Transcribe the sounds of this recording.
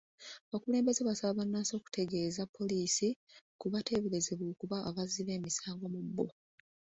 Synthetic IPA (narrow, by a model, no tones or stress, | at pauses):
aβakule̞ːmbe̞zeβasalaβanːaːso̞ːku̥tʰe̞ɡe̞ːzapʰːo̞liːsikuβatʰe̞βelezeβoːkuβaːβaziβe̞ːmisaːŋɡo̞mubːo